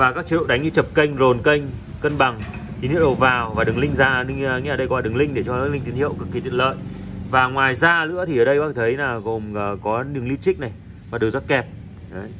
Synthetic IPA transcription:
vaː˨˩kaː˦˥k̚t͡ɕi˧ɗo̰˧˨ɗa˨˦jŋ̟ɲɨ˧t͡ɕə˨˩p̚kə˧jŋ̟zo˨˩nkə˧jŋ̟ | kə˧nɓa˨˩ŋ | t̪i˨˦nhḭ˧˨wɗo˨˩vaː˨˩wvaː˨˩ɗɨ˨˩ŋlï˧ŋ̟zaː˧˩n˧ŋ˨ŋḭː˧˨˩ə˧jkɔ˨˧˦a˨ɗɨ˨˩ŋlï˧ŋ̟ɗe˧˩t͡ɕɔ˧˦˥li˧ŋt̪i˨˦nhḭ˧˨ə˨wkɨ˨˩k̚ːi˨˩t̪wḭ˧˨lə̰ː˧˨j | vaː˨˩ŋwaː˨˩jzaː˧lɨ̰˧˥ət̪ʰi˨˩ʔəː˧˩ɗə˧jɓaː˦˥˨t̪ʰə˨˦jnaː˨˩ɣo˨˩mː˨˩kɔ˨˦ɗɨ˨˩əŋli˧wt͡ɕï˦˥k̚na˨˩j | vaː˨˩ɗɨ˨˩za˦˥t̚kɛ˨˩p̚ | ə˨˦

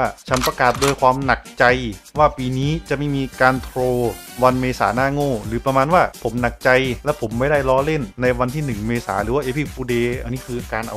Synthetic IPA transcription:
a˥˩t͡ɕʰa˦˥npɾa˧kaː˨˩t̪̚doː˧jkʰwaː˧mna˨˩k̚t͡ɕa˧jwaː˥˩piː˧niː˦˥t͡ɕa˨˩ʔma˥˩jmiː˧kaː˧nt̪ʰɾoː˧ | wa˧nmeː˧sa̰ː˩˦naː˥˩ŋoː˥˩ɾɯː˩˦pɾa˧maː˧nwaː˥˩pʰo˩˦mna˨˩k̚t͡ɕa˧jlɛ˦˥wpʰo˩˦mːa˥˩jda˥˩jɾɔː˦˥le˥˩nːa˧jwa˧nt̪ʰiː˥˩nɯ˨˩ŋmeː˧sa̰ː˩˦ɾɯː˨˩˦waː˥˩ʔeː˦˧pʰi˧˥˩puː˧deː˧ʔa˧nːiː˦˥kʰɯː˧ʔa˧kaː˧nʔa̰˧w

